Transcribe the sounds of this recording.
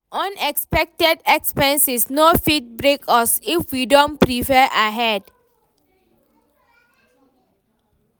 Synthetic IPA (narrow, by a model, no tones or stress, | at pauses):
ɔ̃nɛkspɛk̚tɛdɛkspɛ̃nsisnofit̚bɹekʰɔsifwidõnpɹifɛʔaɦɛd